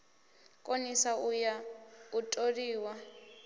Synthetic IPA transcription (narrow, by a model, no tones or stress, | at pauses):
kʼonisaujautʼoriːwa